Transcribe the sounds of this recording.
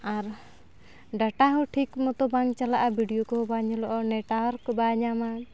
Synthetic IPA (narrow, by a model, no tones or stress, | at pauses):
aɾ | ɖaʈaɦuʈʰikmɔt̪ɔbaŋt͡ʃalaʔabʱiɖiɔkɔbaɲɔlɔʔɔnɛʈaɔɾkɔbaɲaman